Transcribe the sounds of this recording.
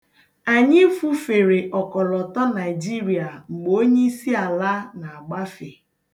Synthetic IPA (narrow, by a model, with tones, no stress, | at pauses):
a˨ɲɪ˦fu˦fe˨ɾe˨ʔɔ˨kɔ˨lɔ˨tɔ˦na˨ɪ˨d͡ʒi˦ɾi˨a˨ŋ͡m̩˨ɡ͡bo˨o˦ɲe˦i˦si˦a˨la˦na˨a˨ɡ͡ba˦fe˨